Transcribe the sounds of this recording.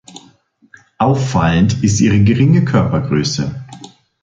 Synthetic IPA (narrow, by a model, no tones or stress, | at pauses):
ʔaʊfːaləntɪstʔiːʁ̞əɡəʁɪŋəkʰœɐpɐɡʁøːsə